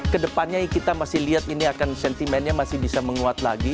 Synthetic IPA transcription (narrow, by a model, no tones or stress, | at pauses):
kədəpanɲaikit̪amasɪhliɦat̪iniakansɛnt̪imɛnɲamasɪhbisaməŋuat̪la̰ɡi